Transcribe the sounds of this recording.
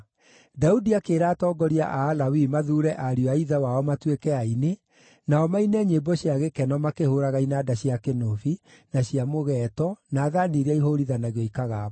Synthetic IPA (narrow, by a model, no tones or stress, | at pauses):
daudiakeːɾaːtɔːɡɔɾia̰ʔaːlawimaðuːɾɛʔaɾiɔaiðawaɔmatwekɛaine | naɔmainɛɲebɔɕiaɣekɛnɔmakehoɾaɣainaːdaɕiakenofinaɕiamoɣɛːtɔnaːðaniɾaiɦoɾiðanaɣiɔikaɣa